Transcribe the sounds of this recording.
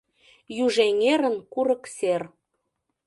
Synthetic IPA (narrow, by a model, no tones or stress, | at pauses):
jyʒeŋeɾə̆nkuɾɤ̆kser